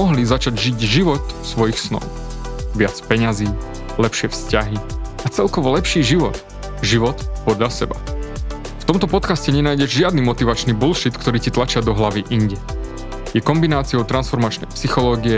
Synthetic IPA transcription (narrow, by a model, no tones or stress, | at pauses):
ɔɦlizat͡ʃaɟʒiɟʒiʋɔt̪sʋɔjixsnɔ̰ʊ | ʋɪat͡spɛɲaziː | lɛpʃɪɛfscaɦiat͡sɛlkɔʋɔlɛpʃiːʒiʋɔt̪ | ʒiʋɔt̪pɔd̪ʎasɛba | ft̪ɔmt̪ɔpɔt̪kascɛɲɛnaːjɟɛʒʒɪad̪niːmɔt̪iʋat͡ʃniːbulʃit̪kt̪ɔɾiːcit̪lat͡ʃɪad̪ɔɦlaʋiʔiɲɟɛ | jɛkɔmbinaːt͡siɔʊt̪ɾansfɔɾmat͡ʃnɛ̰jpsixɔlɔːɡiɛ